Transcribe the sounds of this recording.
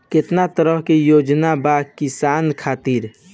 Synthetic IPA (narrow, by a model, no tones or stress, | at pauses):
ket̪nat̪əɾəɦkejod͡ʒnabakisankʰat̪iɾ